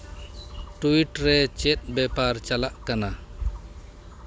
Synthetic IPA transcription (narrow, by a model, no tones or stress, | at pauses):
ʈuiʈɾɛt͡ʃet̪̚ˀbɛpaɾt͡ʃalaʔkana